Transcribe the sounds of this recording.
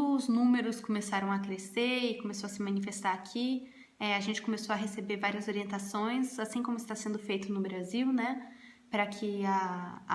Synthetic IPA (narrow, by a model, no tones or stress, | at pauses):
znũmeɾʊskomesaɾɐ̃w̃akɾeseɪkõmesoɐsɪmɐ̃nifest̪aɾakʰi | ɛaʒẽnt͡ʃɪ̥kõmesoɐɦesebeɾvaɾiɐzoɾiẽnt̪asõj̃sasĩkõmʊɪst̪asẽnd̪ʊfejt̪ʊnʊbɾaziwnɛ | pɾɐkʰɪa